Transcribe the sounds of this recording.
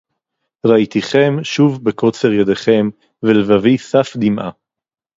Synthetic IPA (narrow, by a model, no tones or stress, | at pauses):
ʁait̪iχe̞mʃuvbeko̞t͡seʁjad̪eχe̞m | velevavisafd̪imʔa̰